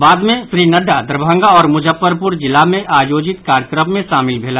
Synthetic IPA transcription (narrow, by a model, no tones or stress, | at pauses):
baːd̪mẽsɾiːnəɖad̪əɾbʱə̃ŋɡaɔːɾmʊd͡ʒəpːəɾpʊɾd͡ʒɪlamẽʔaːjoːd͡ʒɪt̪kaːɾəkɾəpmẽʃaːmɪlbʱeːla